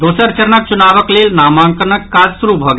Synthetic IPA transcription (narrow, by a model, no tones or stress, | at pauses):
d̪oːsəɾt͡ʃɐɾnək̚t͡ʃunaːʋəkleːlnaːmãːŋkəɾnəkkaːd͡ʒsuɾubʱɔɡ